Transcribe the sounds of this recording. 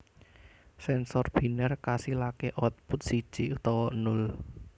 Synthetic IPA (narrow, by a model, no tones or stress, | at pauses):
sɛnsɔrb̥i̤nərkasilakeʔɔt̪̚pʊt̪̚si̥ʒ̥iut̪ɔwɔnʊl